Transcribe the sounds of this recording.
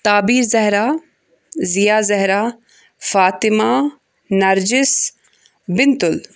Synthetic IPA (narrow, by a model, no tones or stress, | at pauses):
t̪aːbiːɾzɐɦɾaː | zijaːzɐɦɾaː | faːt̪ɪmaː | nɐɾd͡ʒɪs | bɪnt̪ʊl